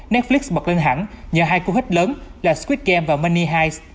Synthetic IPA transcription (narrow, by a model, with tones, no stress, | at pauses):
nɛ˦˥t̚fli˦˥ksɓə˨˩k̚lə˧nɦa̰ː˧˩˥nɲəː˨˩ɦaː˧jku˧hi˦˥k̟̚ləː˨˦nlaː˨˩skwi˦˥t̪̚kɛ˧mvaː˨˩ma˧nːi˧ɦaː˧js